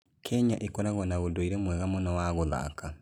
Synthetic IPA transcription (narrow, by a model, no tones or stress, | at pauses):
kʰɛɲaʔekɔɾaɣɔnaɣodoiɾɛmwɛɣamonɔwaɣoða̰ka